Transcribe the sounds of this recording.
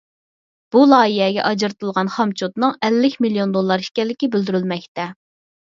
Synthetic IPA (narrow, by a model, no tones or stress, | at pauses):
b̥ulˠɑːiɦɛɡʲɛ̰ʔɑd͡ʒɾt̪ʰɨlˠʁɑnχɑmt͡ʃʰot̪nɨŋɛlːɪkʲmilijond̪olˠːɑɾiʃkʲɛlːɪkʲibyld̪yɾylmɛkʲt̪ɛ